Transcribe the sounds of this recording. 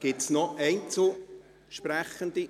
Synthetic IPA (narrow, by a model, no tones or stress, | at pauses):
ɡ̥ɪtsnɔɛɪnt͡so | ʃpræχənd̥̪i